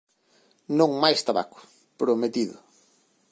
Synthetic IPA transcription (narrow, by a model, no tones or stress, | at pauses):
nõŋmajst̪aβa̰kʊ̥ | pɾʊmet̪iðʊ̰